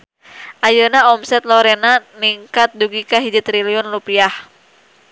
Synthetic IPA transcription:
ʔajənaɔmsɛt̪lɔɾɛnaniŋkat̪̚duɡikaɦid͡ʒit̪ɾiliɔnlupiah

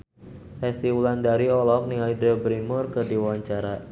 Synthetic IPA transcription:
fɛst̪iwuland̪aɾiɔlɔm̚niajdəbɾinmʊrkərdiwawaɲt͡ʃaɾa

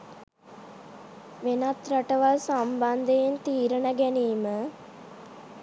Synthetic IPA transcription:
ʋenat̪ɾaʈəʋalsamband̪əjent̪iːɾəɳəɡæniːmə

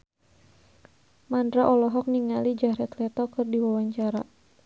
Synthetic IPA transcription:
mandɾaʔɔlɔɦɔk̚niŋalid͡ʒaɾɛt̪lɛt̪ɔkɨrdiwawaɲt͡ʃaɾa̰

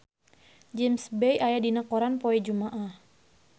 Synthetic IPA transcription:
d͡ʒɛmsbɛjajadinakɔɾanpɔɛd͡ʒumaʔah

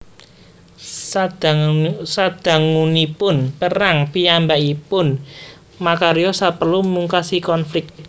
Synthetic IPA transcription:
dsad̪̥a̤ŋunipʊnpəɾaŋpiambaʔipʊn | makaɾijɔsapərlumuŋkasikɔnflɪk̚t̪̚

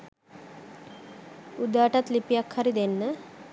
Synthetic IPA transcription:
ud̪aːʈat̪lipijakhɐɾid̪enːə

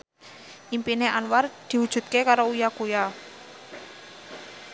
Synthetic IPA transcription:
ʔimpineanward̪̥i̤wud̥ʒ̥ṳt̪̚kekaɾoujakuja

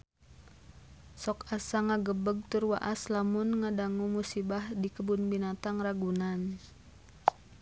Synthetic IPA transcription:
sɔkasaŋaɡəbəɡ̚t̪ʊrwa̰ʔaslamʊnŋadaŋumusibahdikəbunbinat̪aŋraɡunan

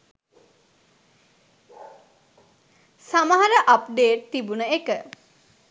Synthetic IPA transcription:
saməɦaɾəʔapɖeːʈ̚t̪ibunəekə

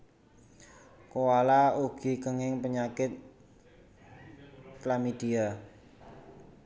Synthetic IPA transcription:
kuwalauɡ̥i̤kəŋɪŋpəɲakɪt̪̚ | klamid̪̥ia

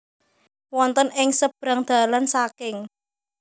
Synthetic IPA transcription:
wɔnt̪ənɪŋsəb̥ɾa̤ŋd̪̥a̤lansakɪŋ

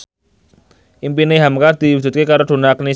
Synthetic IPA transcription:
ʔimpineɦamkard̪̥i̤wu̥d͡ʒ̥ṳt̪̚kekaɾod̪̥o̤nakni

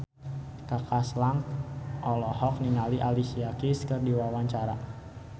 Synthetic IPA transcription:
kakaslaŋkʔɔlɔɦɔk̚niŋaliʔalisiakiskɨrdiwawaɲt͡ʃaɾa

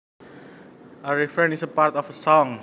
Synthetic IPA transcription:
əɹɛfɹɛ̃nisəpaɹt̪ɔfəsɔ̃ŋ

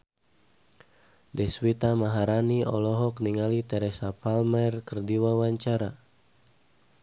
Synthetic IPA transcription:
dɛswit̪amaɦaɾaniɔlɔɦɔkniŋalit̪ɛɾɛsapalmɛrkərdiwawaɲt͡ʃaɾa

